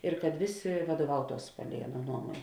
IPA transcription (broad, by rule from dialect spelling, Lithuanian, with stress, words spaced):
ɪr kɐt ˈʋʲeːˌsʲeː ʋɐduɔˈʋɐʊtuɔs ˈpɑːlʲɛɪ ˈɑːˌnuɔ ˈnuɔmuɔnʲ